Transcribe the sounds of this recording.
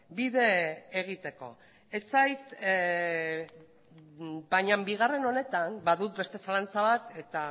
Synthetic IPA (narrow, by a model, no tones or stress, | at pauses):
biðe̞ːɣ̞it̪e̞ko̞̰ | et͡sajt̪ | bajɲambiɣ̞are̞no̞ne̞t̪anbaðut̪be̞st̪e̞salant͡saβat̪e̞t̪a